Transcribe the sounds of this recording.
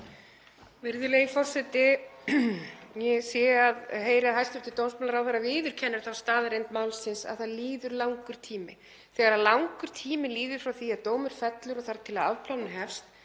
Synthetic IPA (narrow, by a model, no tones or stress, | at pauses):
vɪɾðʏleɣifɔr̥sɛt̪ɪ | jɛɣsjɛaðɦeːjɾɪaðhajst̪ʏft̪ɪt̪oːwnspmanlaɾawθaɾavɪːðʏɾ̥cʰɛnːʏɾ̥θawst̪aːðɾejnt̪maːwlsɪnsa̰ðθaðliːðʏɾlawŋkʏɾ̥t̪ʰiːmɪ | θɛɣaɾaðlawŋkʏɾ̥t̪ʰiːmɪliːðʏɾ̥fɾawθiaðt̪oːwmʏɾ̥fɛt̪lʏɾɔɣθaɾt̪ʰɪlaðavpʰlawnɦɛfst̪